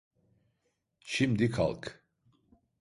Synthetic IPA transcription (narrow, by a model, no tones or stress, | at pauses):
t͡ʃʰimd̪ikʰa̰lˠkʰ